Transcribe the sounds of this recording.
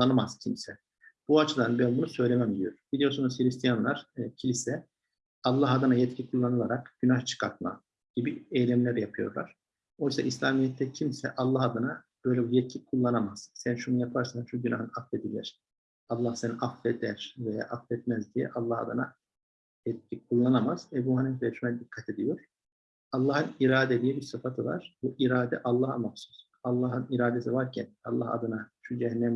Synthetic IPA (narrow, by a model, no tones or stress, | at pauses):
anamaz̥cʰimsɛ | b̥uat͡ʃʰɯd̪anbænbunusø̞jlʲemæmd̪ijo̞ɾbilʲijo̞ɾsunuz̥hilʲist̪ʰijanlˠaɾ̥cʰilʲisɛ | ɑlˠːaɦad̪ɯnajɛt̪cʰikʰulˠːanɯlˠaɾakɟynaht͡ʃʰɯ̥kʰaɾt̪̚ma̰ | ɟ̥ibiɛjlʲæmlʲæɾjapʰɯjo̞̰ɾlˠa̰ɾ̥ | o̞jsaʔislʲaːmijɛt̪ʰːɛcʰimsɛ̰ʔɑlˠːahad̪ɯnab̥ø̞jlʲɛbijɛt̪̚cʰikʰulˠːanamaz̥sænʃunujapʰaɾsanʃuɟynaɦɯnaffed̪ilʲæ̰ɾ̥ | ɑlˠːahseniʔaffɛd̪æɾ̥veja̰ʔaffɛt̪mɛzd̪ijɛ̰ʔɑlˠːaha̰d̪ɯna | ɛt̪̚cʰip̚kʰulˠːanamaz̥ɛbuːhanɛfɛʃunɛd̪ikʰːat̪ʰed̪ijo̞ɾ̥ | ɑlˠːaːhɯniɾaːd̪ed̪ijɛbiɾsɯfat̪ʰɯva̰ɾ̥buʔiɾaːd̪ɛʔɑlˠːaːhamafsu̥s | ɑlˠːaɦɯniɾaːd̪es̬ivaɾcʰɛnɑlˠːaha̰d̪ɯnaʃud͡ʒɛɦnːɛm